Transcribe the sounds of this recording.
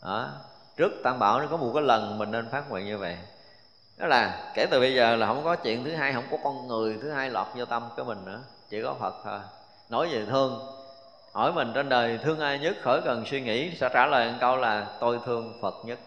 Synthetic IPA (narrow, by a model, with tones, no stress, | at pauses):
ʔəː˨˦ | t͡ɕɨ˦˥ək̚t̪aː˧ŋɓaː˧˩wkɔ˨˦m˨˩t̚kaː˨˦jlə˨˩nmï˨˩ŋne˧nfaː˦˥t̚ŋwḭ˧˨nɲɨ˧və̰˧˨j | nɔ˨˦jlaː˨˩ke˧˩t̪ɨ˨˩ɓə˧jzəː˨˩laː˨˩ɦə̰˧˥wŋ͡mkɔ˨˦t͡ɕwḭ˧˨ənt̪ʰɨ˨˦ɦaː˧jhə̰˧˥wŋ͡mkɔ˨˦kɔ˧nŋɨ˨˩əjt̪ʰɨ˨˦ɦaː˧jlwa̰ː˨˩t̚zo˧t̪ə˧mkṵ˧˩˦mï˨˩ŋ̟nɨ̰˧˥ə | t͡ɕi˧˩kɔ˨˦fʰə˨˩t̚t̪ʰo˧˩j | no˧˦jzi˨˩t̪ʰɨ˧əŋ | hɔ˧˩jmï˨˩ŋ̟t͡ɕe˧nɗəː˨˩jt̪ʰɨ˧əŋʔaː˧jɲə˦˥t̚xəː˧˩jkə˨˩nswi˧ŋḭ˧˥sɛ̰˧˥t͡ɕaː˧˩ləː˨˩jʔə˧nkə˧wlaː˨˩t̪o˧jt̪ʰɨ˧əŋfʰə˨˩t̚ɲə˦˥t̚